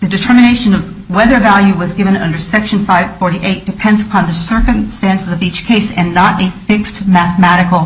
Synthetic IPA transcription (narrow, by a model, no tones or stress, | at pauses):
ðɨdɨtʰɜ˞mɨneɪʃɨ̃nʌv | wɛðə˞vælˠjʉwʌzɡɪvɨ̃nʌ̰̃ndə˞sɛkʃɨ̃n̩faɪv̥fɔɹɾiʔeɪt̚d̥ɨpʰɛ̃ndzəpʰɑ̃nðɨsɜ˞kɨ̃mstæ̃nsɨzʌvit͡ʃkʰeɪsɨ̃nːəɾɨfɪkstmæθəmæɾɨkl̩ˠ